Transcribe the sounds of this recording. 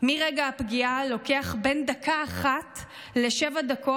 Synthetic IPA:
miʁeɡaːpɡialo̞keaχbe̞ndakaːχat | le̞ʃevadako

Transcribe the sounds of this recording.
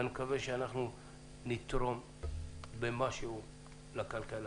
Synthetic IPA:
nmkaveʃeanaχnu | nit̪ɾo̞m | bemaʃeu | lakalkal

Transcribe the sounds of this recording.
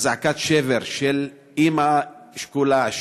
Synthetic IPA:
zaakat̪ʃeveʁʃel | imaʃkulaʃ

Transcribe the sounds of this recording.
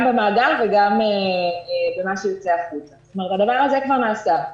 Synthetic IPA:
mbemaːɡalveɡame | bemaʃejot͡seaχut̪ḁt̪omeet̪ad̪avaʁazekvaʁnaːsa

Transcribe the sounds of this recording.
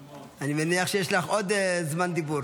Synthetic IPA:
animeniaχʃejeʃlaχʔod̪zmand̪ibuɾ

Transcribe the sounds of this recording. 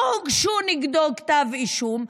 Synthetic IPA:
kʃuniɡd̪okt̪aviʃum

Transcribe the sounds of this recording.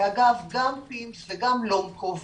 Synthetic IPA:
aɡavɡampimsveɡamlomkov

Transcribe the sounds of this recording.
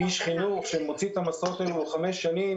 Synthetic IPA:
iʃχinuχʃemot͡sit̪amasot̪aluχameʃːanim

